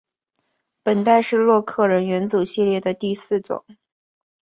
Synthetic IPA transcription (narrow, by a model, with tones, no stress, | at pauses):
pə˨˩nt̪a˥˧ɪʂɻ̩˥˧lwɔ˥˧kʰɤ˥˩ɻə˧˥nɥɛ˧˥nt͡su˨˩ɕi˥˧ljɛ˥˩d̪ə˩t̪i˥˧sɹ̩˥˩ʈ͡ʂʊ̰˨˩˦ŋ